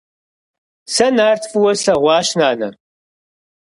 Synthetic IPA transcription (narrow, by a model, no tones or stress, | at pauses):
sɐnaːrtʰfuwɐɬɐʁʷɑːʃnaːnɐ̰